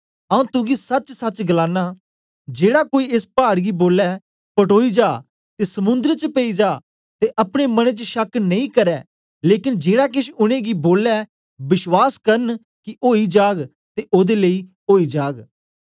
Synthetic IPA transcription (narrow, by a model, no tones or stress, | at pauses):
ɐːũːt̪ʊɡisɐt͡ʃsɐt͡ʃɡəlãːnaː | d͡ʒeːɽakoːiɪspaːɽɡiboːlɛː | pəʈoːid͡ʒaː | t̪eːsəmʊ̃nd̪əɾt͡ʃəpeid͡ʒaː | t̪eʔɐpɽ̃eːməɽ̃ẽt͡ʃəʃəknəĩːkəɾɛː | leːkɪnd͡ʒeːɽakɪʃʊɽ̃ẽːɡiːboːlɛː | bɪʃwaːskəɾən | kɪʔoːiːd͡ʒaːɡ | t̪eːʔoːd̪eːləiː | oːiːd͡ʒaːɡ